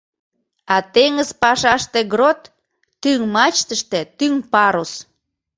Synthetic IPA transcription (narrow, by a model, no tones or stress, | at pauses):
ɑt̪eŋəzpɑʃɑʃt̪eɡɾot̪ː | yŋmɑt͡ɕt̪əʃt̪et̪yŋpɑɾos